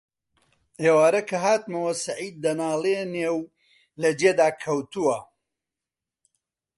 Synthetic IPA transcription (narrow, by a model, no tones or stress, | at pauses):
ʔeːwaːɾɐkʰɐɦaːt̪mɐwɐsɐʕiːd̪̚ːɐnaːlˠeːneːw | lɐd͡ʒeːd̪aːkʰɐwt̪uwɐ